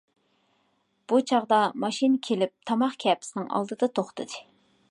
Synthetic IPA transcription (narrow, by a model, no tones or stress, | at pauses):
b̥ut͡ʃʰɑʁd̪ɑmɑʃinkʲʰelɪp̚t̪ʰɑmɑχkʲʰɛpʰɪ̥sɪnɪŋɑ̰lˠd̪ɨd̪ɑt̪ʰoχt̪ʰɨd̪ɨ